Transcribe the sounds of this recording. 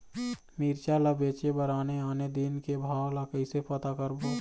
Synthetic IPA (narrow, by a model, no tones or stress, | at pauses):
miːɾt͡ʃaləbeːt͡ʃebəɾaːneaːned̪inkebʱaːwlakəisepət̪akəɾboː